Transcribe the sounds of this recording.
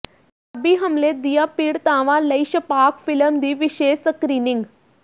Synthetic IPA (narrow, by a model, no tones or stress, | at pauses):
tɐbiːɦəmleːd̪ijaːpiːɽt̪ãːʋãːləiʃəpaːkfɪləmd̪iːʋɪʃeːʃsəkɾiːnɪŋɡ